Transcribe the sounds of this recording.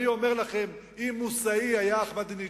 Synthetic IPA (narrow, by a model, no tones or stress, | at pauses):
io̞me̞ʁlaχe̞m | imːusaiajaːχmad̪ini